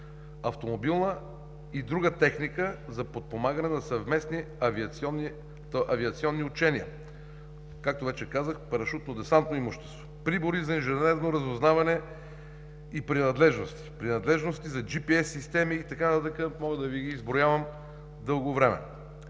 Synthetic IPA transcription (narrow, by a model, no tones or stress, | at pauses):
ɐft̪omobilˠnə | id̪ɾuɡət̪ɛxnikəzɐpot̪̚pomaɡənɛnɐsɐvmɛsni | vit̪ɔnːi | ʔɐviɐt̪siɔnːiut͡ʃɛniə̰ | kak̚t̪ovɛt͡ʃɛkazəxpɐɾɐʃut̪nod̪ɛsant̪noimuʃt̪ɛ̥st̪vo̥pɾiboɾizɐinʒɛnɛɾnoɾɐzoznavɐnɛ | ipɾinɐd̪lɛʒnost̪i̥pɾinɐd̪lɛʒnost̪izɐd͡ʒipiɛsːist̪ɛmiːt̪ɐkant̪at̪əkəmɔɡəd̪ɐviɡiːzbɾojavɐm | d̪ɤlˠɡovɾɛmɛ̰